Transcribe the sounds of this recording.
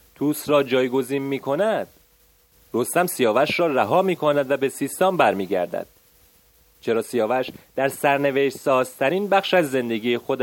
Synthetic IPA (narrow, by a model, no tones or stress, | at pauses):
t̪ʰuːsɾɒːd͡ʒɒːjɡo̞ziːnmiːkʰo̞næd̪̥̚ | ro̞st̪æmsijɒːvæʃɾɒːræɦɒːmiːkʰonæd̪væbe̞siːst̪ɒːmbæɾmiːɡæ̰ɾd̪æ̰d̪̥̚ | t͡ʃʰe̞ɾɒːsijɒːvæʃd̪̥æɾsæɾneveʃsɒːz̥t̪ʰæɾiːnbæχʃæzːe̞nd̪e̞ɡiːexod̪